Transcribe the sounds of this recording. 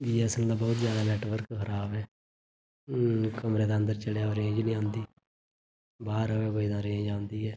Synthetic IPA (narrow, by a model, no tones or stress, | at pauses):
d͡ʒiːɛːsənd̪aːbɔːt̪zjaːd̪aːnɛːʈʋəɾkɦəɾaːbɛː | kəmɾeːd̪eːə̃nd̪əɾt͡ʃəlejaːoɾẽːd͡ʒnĩːãːnd̪iː | baːɾəʋeboid̪ãːɾẽːd͡ʒãːnd̪iːɛː